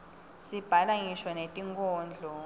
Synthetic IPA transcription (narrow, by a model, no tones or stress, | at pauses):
sib̥ʱalaŋiʃwɔnetʼiŋkʰʼɔːnd͡ɮʱɔ